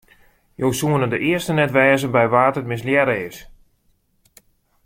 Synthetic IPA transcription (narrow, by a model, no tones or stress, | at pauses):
joːsuənədəʔɪəstənɛtʋɛːzəbɛjʋaːtətmɪsljɛɾeːs